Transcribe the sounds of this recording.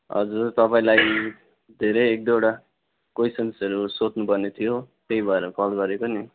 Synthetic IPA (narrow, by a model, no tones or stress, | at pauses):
ɦʌ̰d͡zurt̪ʌpaĩlaj | d̪ʱeɾʌjek̚d̪oɽa | kojsʌnsʌɾusot̪nupʌrnet̪ʰijo | kejbʱaeɾʌkʌlɡʌɾekoni